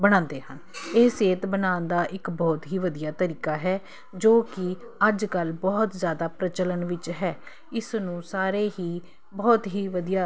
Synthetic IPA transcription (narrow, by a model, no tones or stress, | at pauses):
bəɽ̃ãːnd̪eːɦəneːseːt̪bənaːnd̪aːʔɪkbɔːt̪ɦiːʋəd̪ijaːt̪əɾiːkaːɦɛː | d͡ʒoːkɪ | əd͡ʒkəlbɔːt̪zjaːd̪aːpɾət͡ʃələnʋɪt͡ʃɦɛː | ɪsnũːsaːɾeːɦiː | bɔːt̪ɦiːʋəd̪ijaː